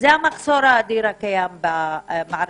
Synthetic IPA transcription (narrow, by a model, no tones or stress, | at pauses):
zamaxsoːɾˤad̪iːɾakajambamaʕɾ